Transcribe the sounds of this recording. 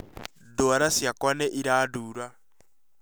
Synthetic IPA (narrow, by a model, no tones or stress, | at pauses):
doaɾasjakwanɛʔiɾaːduːɾa